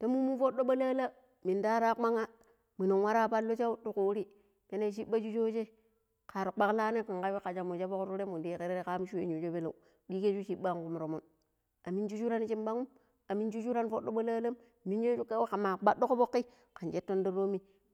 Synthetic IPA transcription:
te˦mu˦mu˦nfo˦ɗo˦ɓa˦la˦la˦ | mi˨nda˦ɾa˦k͡pa˦ŋa˦ | mi˨no˨ŋwa˦ɾa˦˨pa˦lːo˦t͡ʃa˦tu˨ku˨˦ɾi˦ | pe˦ne˦˨ʃi˦ɓa˦d͡ʒu˦d͡ʒo˦t͡ʃe˦ | ka˨ɾu˨k͡pa˦kla˦ne˦ka˨ŋka˦wi˦ka˨d͡ʒa˨mo˨d͡ʒa˦fo˦kɾu˦ɾe˦mu˨di˨˦˨ke˨ɾe˦ɾe˦ka˦m˦ʃu˦ḛ˨ɲo˨d͡ʒo˦be˦lo̰˨u˨ | di˦ke˦t͡ʃu˦t͡ʃi˦ɓa˦ŋ˨ku˨m˨ɾo˨mu˦n | a˨mi˦nd͡ʒu˦t͡ʃu˦ɾa˦n˦t͡ʃi˦mba˦ŋu˦m | a˨mi˦nd͡ʒu˦t͡ʃu˦ɾa˦nfo˦ɗːo˦ɓa˦la˦la˦m | mi˦jo˦t͡ʃu˦ka˦wka˨ma˨ɓa˦ɗːo˦ko˦fo˦kːi˦ | ka˨nt͡ʃe˦tːo˦ndi˦ɾo˦mi˦

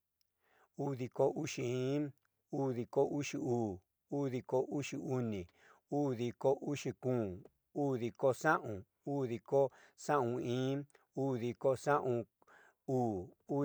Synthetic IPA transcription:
u˦ði˧ko˧u˦ʂi˧˨ĩ˦ | u˦ði˧ko˦u˦ʂi˧uː˨ | u˦ði˧ko˧u˦ʂi˧u˧˦nĩ˨ | uː˦ði˧ko˦ʔu˦ʂi˧kũː˦˨ | uː˦ði˧ko˦sã˦ʔũ˨ | uː˦ði˧ko˦ | sã˦ũ˧ĩː˦ | uː˦ði˧ko˦sã˦ʔũ˧ | uː˦˨u˦

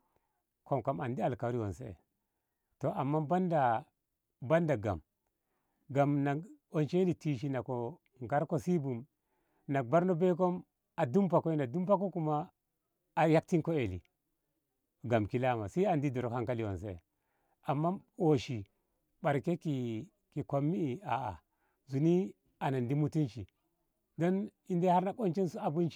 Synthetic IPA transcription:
kʰo˨mka˨ma˨ndi˦a˨lka˨˦ɾi˦wo˨nse˦ḛ˨ | to˨ʔa˨mːa˦ba˦nda˨ | ba˦nda˨ɡa̰˨m | ɡa˨mna˨o˨nt͡ʃe˦li˨ti˦ʃ̬i˦na˨ko˨ | ŋɡa˦ɾko˦si˦bu˨m | na˨k̚ba˦ɾno˦be˦k̬o˦m | a˨du˦mpa˨ko˦i˦na˨du˦mpa˦k̬o˦ku˨maː˦˨ | ja˦k̚ti˦ŋko˦e˨lḭ˨ | ɡa˨mki˦la˦ma̰˨si˦a˨ndi˦do˨ɾo˨kha˦ŋka˦li˨o̰˨nsḛ˦˨ | a˨mːa˦o˨ʃi˨ | ɓa˨ɾke˦ki˨ | ki˨ko˨mːi˦i˨a˨a̰˨ | zu˨ni˦ | a˨na˨ndi˦mu˦ti˦nt͡ʃi˨ | do˦n | i˦nde˦ha˦ɾna˨ko˦nt͡ʃe˦nsu˦a˨bu˦nt͡ʃi˦

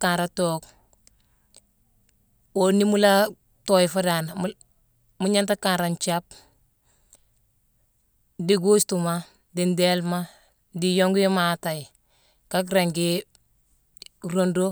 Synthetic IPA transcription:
ka˨nɾatok | wo˨ni˦mu˦la˦ | tojifa˦da˨na | muɲa˦nta˦ka˨nɾa˨nt͡ʃap̚ | di˦ɡu˦stuma˦ | di˨nde˦lma˦ | dijo˦ŋɡji˦mata˨ji | ka˦k̬ɾeŋɡi | ɾondo˦

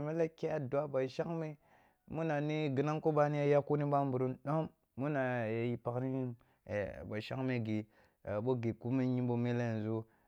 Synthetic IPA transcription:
me˦la˦ke˦a˦du˨a˦ba˨ʃa˦ŋme˦ | mu˦na˨ni˦ɡi˨na˦ŋko˦ba˦ni˦ja˦ja˦ku˦ni˦ɓa˦mbu˨ɾu˦nɗo˦mː | u˦na˨ja˨ji˨pa˨kni˦˨ | ba˨ʃa˦ŋme˦ɡe˨ | ɓo˦ɡe˨ku˦me˦ɲi˦bo˦me˦le˦˨n˨zo˦

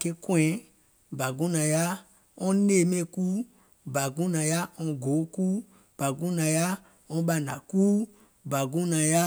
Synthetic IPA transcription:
ke˦kwɛ̃˨˦ | ba˨ɡũ˦nã˨ja˦ | ɔ̃˦ne˦˨me˦˨ku˦ | ba˨ɡũ˦nã˨ja˦ɔ̃˧ɡo˨˦ku˦ | b̥a˨ɡũ˦nã˨ja˦ | ɔ̃˦ba˦˨na̰˨ku˦ | ba˨ɡũ˦nã˨ja˦

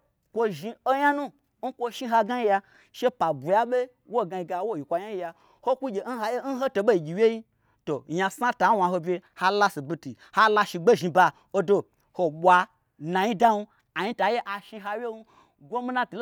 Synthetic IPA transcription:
kʷo˦ʒi˧o˦ja˦nũ˦ | ŋ̩˦kʷo˧ʃi˦ɦa˧ɡa˦ji˦ja˧ | ʃe˦pa˨bu˨ja˦ɓe˦ | wo˦˨ɡa˧i˧ɡa˧˦wo˦˨ji˨kʷa˧jɲa˦ji˦ja˧ | ho˦kʷu˦ɡʲe˨˦n̩˦ɦa˧˦je˦n̩˦ɦo˦to˧ɓo˦i˨ɡʲi˨wje˦ji˦ | to˨jã˧sa˦ta˨˦wa˧ɦo˧bʲe˧ha˦la˦si˨bi˧ti˨ | ha˦la˧ʃi˧ɡ͡be˦ʒi˧ba˧ | o˦do˧ | ho˨ɓʷa˧ | nã˨ɲi˦da˦nu˧ | a˨ɲi˦ta˨˦je˦ʔa˨ʃi˧ɦa˧jʲe˦nu˦ | ɡʷo˦mi˦na˦tu˨l

